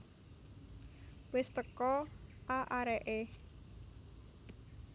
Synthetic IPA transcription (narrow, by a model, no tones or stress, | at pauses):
wɪst̪əkɔʔaʔaɾɛʔe